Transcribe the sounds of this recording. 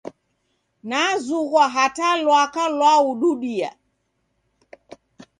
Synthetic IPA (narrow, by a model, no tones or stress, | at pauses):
nazuɣwaɦatalwakalwauɗuɗia̰